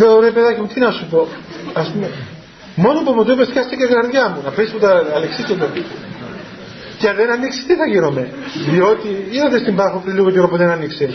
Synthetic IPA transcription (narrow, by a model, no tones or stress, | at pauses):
eoɾepeðɐcimut̪inɐsupo̞ɐspume | mo̞nopopot̪opest̪çɐst̪iceɡɐɾðʝɐmunɐpesput̪ɐːleksiset̪o | cɐðenɐnːiksi̥st̪iθɐʝiɾo̞me̞ | ðio̞t̪iioðest̪imbɐxopɾiliɣoceɾopuðenɐnːikse